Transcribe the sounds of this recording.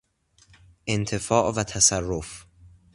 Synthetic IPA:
ʔent̪ʰe̞fɒːʔvæt̪ʰæsærːof

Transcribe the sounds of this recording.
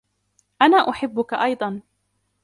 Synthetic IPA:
ʔanaːʔʊħɪbːʊkaʔɑjd̪ˤɑn

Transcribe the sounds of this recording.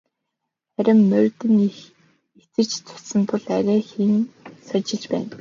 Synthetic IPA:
χæɾʲɪ̆mːœrʲt̪ɘ̆n | it͡sɘ̆t͡ɕt͡sʰʊ̥sə̆nt̪ʰʊ̆ɮæɾæːxiŋsɔt͡ɕɪ̆ɮt͡ɕpæ̰ːn

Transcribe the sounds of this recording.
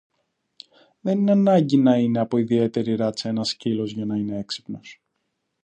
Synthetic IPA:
ðe̞nineɐnɐɲɟinɐine̞ɐpo̞iðie̞t̪e̞ɾiɾɐt͡se̞nɐscilo̞zʝɐnɐine̞e̞ksi̥pno̞s

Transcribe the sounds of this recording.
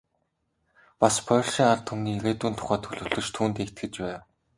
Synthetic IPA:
paspʰœɮʃiːŋar̥t̪ʰɵmniːɣeːt̪uːnt̪ʰʊ̥χæːt̪ʰɵɮɵ̆ɮɵ̆ʃt̪ʰuːnt̪eːt̪ɡɘ̆t͡ɕpæːw

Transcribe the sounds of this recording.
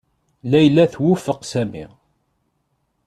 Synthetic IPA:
læjlːæθwʊfəqsæmḭ

